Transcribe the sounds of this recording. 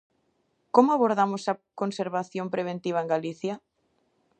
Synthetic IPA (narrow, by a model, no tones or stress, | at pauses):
komʊaβoɾðamʊsɐkonseɾβaθjõmpɾeβ̞ẽnt̪iβ̞ɐeŋɡaliθja